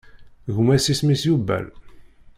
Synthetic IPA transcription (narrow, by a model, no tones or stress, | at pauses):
ʝumæsismisjubæ̰l